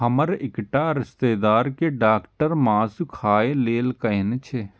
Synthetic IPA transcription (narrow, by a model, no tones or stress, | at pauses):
ɦɐməɾɪkʈaːɾɪst̪eːd̪aːɾkeɖaːkʈəɾmãːsukʰaːeleːlkɐɪnt͡ʃʰe